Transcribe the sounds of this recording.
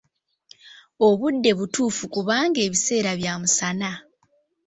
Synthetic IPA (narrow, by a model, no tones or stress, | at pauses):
o̞βudːe̞βutuːfukuβaːŋɡe̞ːβise̞ːɾaβjaːmusana